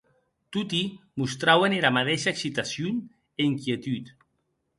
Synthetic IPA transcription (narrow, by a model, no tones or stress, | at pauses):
t̪ut̪imust̪ɾaweneɾamat̪eʃaeksit̪asjun | eiŋkjet̪yt̪